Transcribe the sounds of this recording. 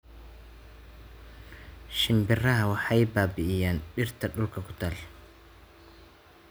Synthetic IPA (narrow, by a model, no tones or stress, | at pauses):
ʃɪmbɪrɐɦɐwɑħɑjbaːbɪʔɪjaːnɖɪrt̪ʰɐɖʊlkʰɐkʰʊt̪ʰaːl